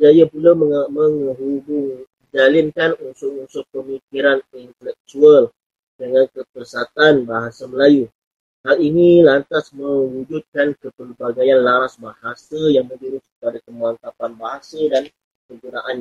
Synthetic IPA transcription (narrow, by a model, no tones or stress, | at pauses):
d͡ʒajapulaəməŋɦubuŋ | d͡ʒalɪnkanunsʊʔunsʊʔpəmikiɾanint̪əlɛk̚t̪uəl | dəŋankəpərsat̪anbaɦasaməlaju | halinilant̪asmə̃ŋwud͡ʒut̪̚kankəpərbaɡajanlaɾasbahasəjaŋmə̃d͡ʒuɾʊskəpadak̪əmuant̪apanbaɦasədan | kəŋɡunaʔanɲa